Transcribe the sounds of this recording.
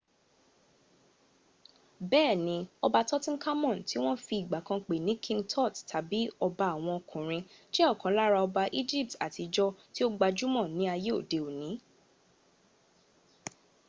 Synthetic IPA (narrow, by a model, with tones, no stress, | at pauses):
bɛː˦˨nĩ˧˦ɔ˧ba˧tɔ˦tĩ˦ka˦mɔ̃˦˨n̩˨ti˨˦w̃ɔ̃˦fi˧i˨ɡ͡ba˨kã˧k͡pe˨nĩ˨˦kʰĩ˧ŋtʰɔ˦˨ttʰa˨bi˨˦ɔ˧ba˧˨w̃ɔ̃˧kʰũ˨ɾ̃ĩ˧ʃe˦ɔ˦˨kã˨˦la˦ɾa˧ɔ˧ba˧ʔi˦d͡ʒi˦˨p̚ta̰˨ti˧d͡ʒɔ˦ti˦o˦ɡ͡ba˧d͡ʒu˦mɔ̃˦˨nĩ˨˦a˧je˦o̰˦˨de˨o˨nĩ˨˦